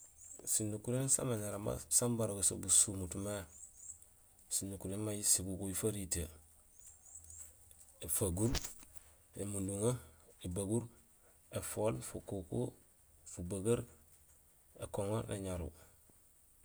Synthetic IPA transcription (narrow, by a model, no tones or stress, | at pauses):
sinːukuɾensa̰maɲaɾama̰sambaɾoɡoso̰busumutume | sinːukuɾenmajisiɡukoifaɾite | efaɡuɾ | emunduŋaebaɡuɾ | efolfukoko̰ | fubaɡaɾ | ḛkoŋoɾnḛɲaɾṵ